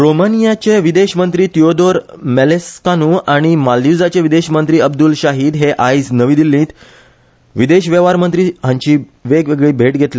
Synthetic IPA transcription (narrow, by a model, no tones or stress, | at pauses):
ɾomənijat͡ɕeʋid̪eɕmənt̪ɾiːt̪iod̪oɾmɛleskanuaɽ̃imaljud͡zat͡ɕeʋid̪eɕmənt̪ɾiːəbd̪ulɕaɦiːd̪ɦeʔaid͡znəʋiːd̪ilːĩːt̪ | ʋid̪eɕʋeʋaɾmənt̪ɾiːɦãɲt͡ɕiːʋeɡʋeɡɭiːbʱeʈɡʱet̪le